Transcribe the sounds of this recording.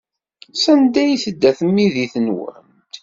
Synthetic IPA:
sænd̪æjiθəd̪ːæθəmːiðiθənwə̰n | t̪

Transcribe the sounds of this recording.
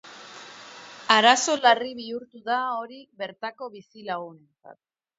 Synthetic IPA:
aɾaso̞lariβ̞iuɾt̪uðao̞ɾiβe̞ɾt̪ako̞βisilaɣune̞nt͡sa̰t̪̚

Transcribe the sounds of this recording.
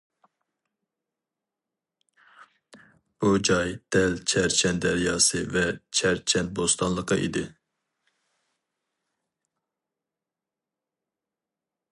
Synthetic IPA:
bud͡ʒɑjd̪̥ɛlt͡ʃʰɛɾt͡ʃʰɛnd̪ɛɾijɑːsɨvɛt͡ʃʰɛɾt͡ʃʰɛn̚bost̪ɑnlˠəqɑʔḭd̪ɪ

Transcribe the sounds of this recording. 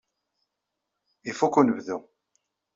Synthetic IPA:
ifukːunəvðu

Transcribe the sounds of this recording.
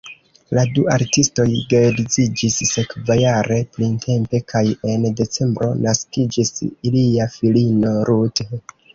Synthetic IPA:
laduaɾtisto̞jɡeɾizid͡ʒisːe̞kvajaɾe̞plintʰe̞mpe̞kʰaje̞nde̞t͡se̞mbɾo̞̰naskid͡ʒisiliafilino̞ɾute

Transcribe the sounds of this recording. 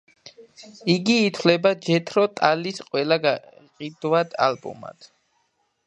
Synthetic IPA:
iɡiːt̪ʰwlɛbad͡ʒɛt̪ʰɾɔt̪ʼalisqʼwɛlaɡaqʼid̪̥wad̪̥a̰lbɔ̰ma̰t̪ʰ

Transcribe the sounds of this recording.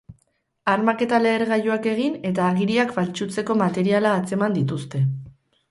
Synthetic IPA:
aɾmake̞t̪ale̞ːɾɣajuake̞ɣ̞ine̞t̪aːɣiɾiakbalt͡ʃut͡se̞ko̞mat̪e̞ɾialaːt͡se̞mand̪it̪̬ust̪e̞

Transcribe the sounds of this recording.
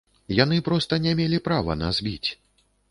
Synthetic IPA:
jan̪ɨpɾɔst̪ɐnʲɛmʲɛlʲipɾavɐ̰na̰zʲbʲḭt͡sʲ

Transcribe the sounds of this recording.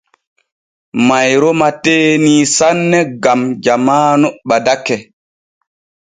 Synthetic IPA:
majɾɔmateːniːsanːɛɡamd͡ʒamaːnɔɓadakːɛ

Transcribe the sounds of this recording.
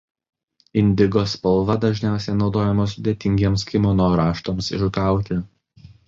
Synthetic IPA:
ɪnʲd̪ʲɪɡoːspɐlˠʋɐd̪ɐʒʲnʲæˑʊsʲɛɪnɒʊd̪oːjɛmɐs̬ʊd̪ʲeɛt̪ʲɪŋʲɡʲiɛmskʲɪmɔnoːɾɑːʃt̪oːmsɪʃkɑˑʊt̪ʲɪ

